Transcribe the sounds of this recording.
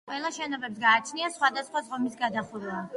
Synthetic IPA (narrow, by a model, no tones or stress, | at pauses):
qʼwɛlˠaʃɛnɔbɛps̬ɡaːt͡ʃʰniasχwad̪asχwazʁɔmisɡad̪aχuɾa